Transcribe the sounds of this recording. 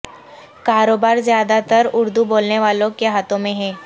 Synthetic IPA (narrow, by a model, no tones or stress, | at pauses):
kaɾobaɾzjad̪at̪əɾʊɾd̪ubolneʋalõkjaɦat̪õmẽɦɛ